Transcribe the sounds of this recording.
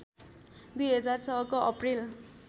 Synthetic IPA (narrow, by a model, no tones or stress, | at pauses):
d̪ujɦʌd͡zart͡sʌɦʌkoʔʌpril